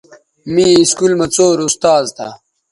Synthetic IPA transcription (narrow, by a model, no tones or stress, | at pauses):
miːiskulmɐt͡soːɾust̪aːzt̪ʰa̰